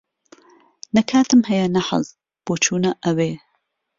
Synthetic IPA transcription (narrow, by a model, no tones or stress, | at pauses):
nɐkʰaːt̪ʰɨmhɐjɐnɐħɐ̰z | b̥oːt͡ʃʰuːnɐʔɐweː